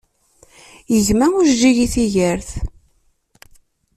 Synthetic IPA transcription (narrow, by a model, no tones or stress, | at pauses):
jəʝmæʊɾd͡ʒiʝiθiʝəɾθ